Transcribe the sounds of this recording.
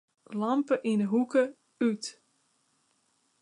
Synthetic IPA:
lɑmpəʔindəɦukə | yt

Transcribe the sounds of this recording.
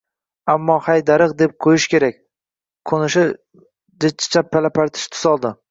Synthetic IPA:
amːɒhajd̪aɾɨq̚d̪ep̚qʰojɪʃkʲe̞ɾakʲ | qʰonɪʃɪ | d͡ʒɪt͡ʃʰːḁt͡ʃʰapʰːalapaɾt̪ʰɪ̥ʃt̪ʰʊ̥sɒlˠd̪ɪ

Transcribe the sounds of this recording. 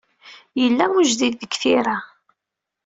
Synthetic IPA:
jəlːæwəʒðiðːəɡθiɾa

